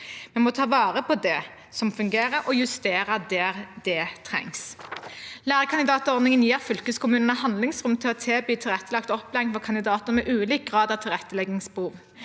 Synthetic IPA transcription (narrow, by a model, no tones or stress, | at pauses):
mɛnmɔt̪ʰɑːʋɑːʁəpɔd̪ɛ | sɔmfʉŋɡeːɾəɾʔɔjʉst̪eːɾɑd̪ɛːɾd̪̥ɛt̪ʰʁɛ̰ŋs | læːʁəkʰɑnɪd̪ɑːt̪əɔʁd̪nɪŋənjiːʁfʏlkəskʰʊmʉːnnəhɑnlɪŋsʁʉmt̪ʰɪlɔt̪ʰeːbyːt̪ʰɪlʁɛt̪ːəlɑk̚t̪ɔpːlɛŋfɔkʰɑnd̪ɪd̪ɑːt̪ən̩mɛʔʉːliːk̚ɡʁɑːd̪ɑʋt̪ʰɪlʁɛt̪ːəlɛɡɪŋsbəhuːʋ